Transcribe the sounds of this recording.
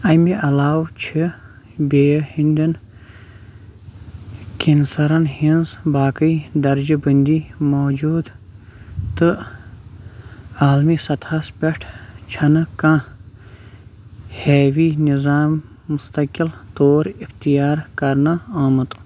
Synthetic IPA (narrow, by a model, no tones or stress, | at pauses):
ɐjmeʔɐlaːwt͡ʃʰi | beːhind̪ɐn | kinsɐɾɐnhinzbaːkəjd̪ɐɾd͡ʒɨbənd̪imoːd͡ʒuːd̪ | t̪ɨ | aːlmisɐt̪ʰɐspʲɐʈʰt͡ʃʰɐnɨkã | heːwinizaːmː | ust̪ɐkilt̪oːɾixt̪ijaːɾkɐɾnɐaːmɨt̪